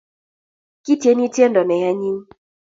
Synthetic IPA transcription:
ki˦tje˨˦ni˦te˦ndɔ˨nɛ˨ja˦ɲi˦n˦

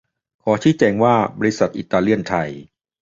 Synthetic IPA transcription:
kʰɔː˩˦t͡ɕʰiː˦˥t͡ɕɛː˧ŋwaː˥˩bɔː˧ɾi˧˥sa˨˩t̪̚ʔiː˨˩t̪ːaː˧li˥˩ənt̪ʰa˧j

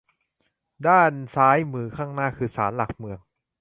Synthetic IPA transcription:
daː˥˩nsaː˦˥jmɯː˧˩kʰaː˥˩ŋnaː˥˩kʰɯː˧saː˩˦nla˨˩k̚mɯ˧əŋ

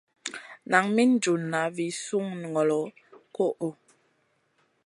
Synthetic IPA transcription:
na˨ŋmi˦n̩˦d͡ʒu˨nːa˨˦vi˨˦su˦ŋn˨ŋɔ˨lɔ˨˦ | ko˦ʔo˨

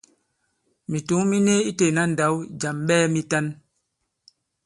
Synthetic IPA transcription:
mi˨tu˨˦ŋmi˦ne˦i˦te˨na˦n̩˨da˨˦wd͡ʒa˨mɓɛː˦mi˦ta˦n

